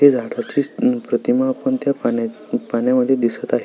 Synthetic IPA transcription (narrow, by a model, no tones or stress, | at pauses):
ed͡zʱaɽəɾt͡ɕipɾət̪imapəɳt̪japa | paɳjaməd̪ʱːjed̪isət̪aɦe